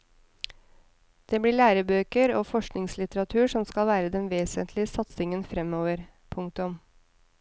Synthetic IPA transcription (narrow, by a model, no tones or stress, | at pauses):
d̪̥eːbɽiːɭæːɾəbøːkəɾoːfɔʂknɪŋslɪt̪əɾɑt̪ʰʉːʂɔmskɑlʋæːɾəd̪ɛnʋeːsənt̪ʰlɪəsɑt̪sɪŋənfɾɛmoːʋəɾ | pʰʊŋk̚t̪ʊm